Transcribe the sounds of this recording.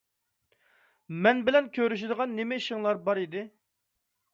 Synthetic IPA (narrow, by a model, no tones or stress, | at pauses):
mɛnbɪlɛnkʲʰøɾyʃ̬ɪd̪əʁɑnːemɪiʃɪŋlˠɑɾbɑɾid̪ɪ